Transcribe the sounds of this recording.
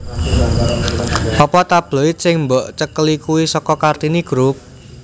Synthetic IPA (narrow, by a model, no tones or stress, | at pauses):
pɔpɔt̪ab̥lɔit̪̚sɪŋmbɔʔt͡ʃəkəlikuwisɔkɔkart̪iniɡ̥ɾup̚